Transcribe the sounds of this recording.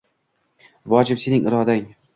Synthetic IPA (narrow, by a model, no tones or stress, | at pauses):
vɒd͡ʒɪpse̞nɪŋɪɾɒd̪aŋ